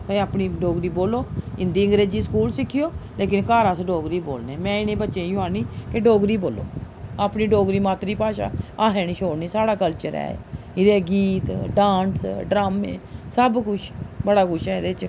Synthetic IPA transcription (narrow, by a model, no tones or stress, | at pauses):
pəaːpniːɖoːɡɾiːboːloːɪnd̪iːəŋɡɾeːd͡ʒiːsə̥kuːlsɪkʰːɪjoːleːk̬ɪnkaːɾaːsɖoːɡɾiːbo̰ːlneːmɛ̃ːɪnẽːbətːʃeːjʊaːniːkeɖoːɡɾiːboːlo̰ː | aːpniːɖoːɡɾiːmaːt̪ɾiːpaːʃa̰ːaːɦɛ̃ːñiːʃʰoːɽniːsaːɽaːkəlt͡ʃəɾɛ̰ː | ɪd̪eːɡiːt̪ɖãːnsɖɾaːmḛ̃ːsəbkʊt͡ʃʰbəɽaːkʊt͡ʃʰɛːd̪et͡ʃ